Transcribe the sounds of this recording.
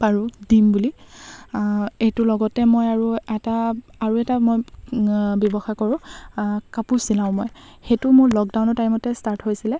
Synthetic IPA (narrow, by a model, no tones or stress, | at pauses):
paɹudimbuli | ejtʊlɔɡɔtɛmojaɹuɛtaaɹuɛtamoj | bjɔbɔxakɔɹʊ̃kapusilaʊ̃moj | xetʊmʊɹlɔk̚daw̃nɔtajmɔtɛstaɹtɦojsilɛ